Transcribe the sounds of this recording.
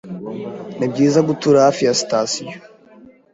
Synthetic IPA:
nibɟiːzaɡutuɾahafijasi̥tasijo̥

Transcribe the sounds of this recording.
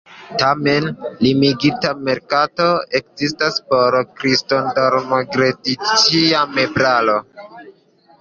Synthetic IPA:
tame̞nlimiɡitame̞ɾkato̞e̞kzistaspo̞ɾkɾistondoɾnoɡɾedit͡ʃiame̞bɾalo̞

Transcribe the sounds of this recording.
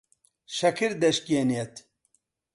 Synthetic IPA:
ʃɐkʰiɾd̪ɐʃkenet̪

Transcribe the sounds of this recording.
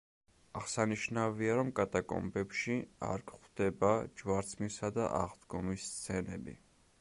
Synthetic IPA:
aʁsaniʃnaviaɾɔmkʼat̪ʼakʼɔ̰mbɛpʃia̰ɾɡχd̪̥ɛbad͡ʒvaɾt̪sʰʼmisad̪a̰ʔa̰ʁd̪ɡɔmist̪sʰɛnɛbḭ

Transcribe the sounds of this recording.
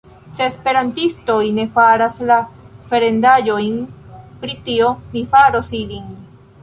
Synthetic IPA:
seːspeɾant̪ist̪ojnefaɾasla | feɾend̪ajojnpɾit̪iomifaɾosilin

